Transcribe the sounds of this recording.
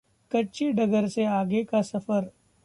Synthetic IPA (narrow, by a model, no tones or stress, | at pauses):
kɐːt͡ʃiɖɐɡəɾseaːɡekasɐfəɾ